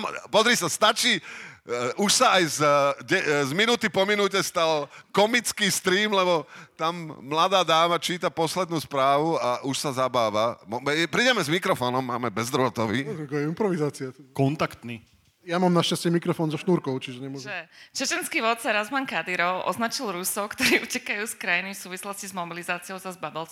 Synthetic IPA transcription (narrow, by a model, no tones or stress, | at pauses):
mpɔzɾisast̪at͡ʃiː | uʃsaajzɟɛzminut̪ipɔminucɛst̪alkɔmit͡skiːst̪ɾiːmlɛbɔt̪amːlad̪aːd̪aːmat͡ʃiːt̪apɔslɛd̪nuːspɾaːʋuaʔuʃsazabaːʋamɔmɛpɾidɛmɛzmikɾɔfɔːnɔmːaːmɛbɛzd̪ɾʋɔt̪ɔʋiːɛkɔɛimpɾɔʋizaːt͡siakɔnt̪akt̪niː | jamaːmnaʃcascɪɛmikɾɔfɔːnzɔʃnuːɾkɔʊt͡ʃiʒɛɲɛmɔʒɛt͡ʃɛt͡ʃɛnskiːʋɔt̪t͡saɾazmaŋkad̪iɾɔʔɔ̰znat͡ʃilˠɾusɔʊkt̪ɔɾiːʔucɛkajuːskɾajinifsuːʋislɔscizmɔbilizaːt͡siɪɔʊzazbabɛl